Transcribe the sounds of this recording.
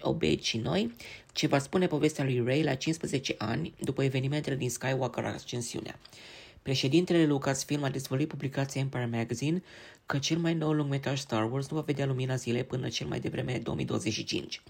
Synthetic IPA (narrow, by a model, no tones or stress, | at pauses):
o̰bḛʃino̞̰jt͡ʃe̞vaspune̞po̞ve̞st̪ealujrejlat͡ʃinspɾəze̞t͡ʃe̞ʔa̰nʲd̪upəeve̞niment̪eled̪inskajwakəɾa̰st͡ʃensiṵnea̰pɾe̞ʃe̞d̪int̪e̞lele̞lukasfilmad̪ezvəluit̪̚publikat̪sijaɨnpaɾmaɡazin | kət͡ʃe̞lmajno̞wluŋɡme̞t̪ɾaʒst̪arworznuvaved̪ealuminazile̞jpɨnə̰t͡ʃe̞lma̰jd̪e̞vɾʔe̞me̞d̪o̞omḭjd̪o̞wəzet͡ʃʲʃit͡ʃḭnt͡ʃʲ